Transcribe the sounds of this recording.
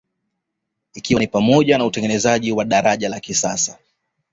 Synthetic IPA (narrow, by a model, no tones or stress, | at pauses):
ikiwanipamɔʄanautɛŋɡɛnɛzaʄiwaɗaɾaʄalakisasa